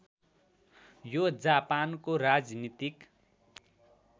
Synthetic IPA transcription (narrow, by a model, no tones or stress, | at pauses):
jod͡zapankorad͡znit̪ik